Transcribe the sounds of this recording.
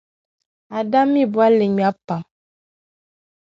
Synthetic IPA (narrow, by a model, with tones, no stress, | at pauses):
a˨da˦mi˦˨bwa˦le˨ɲu˨a˦pa˨m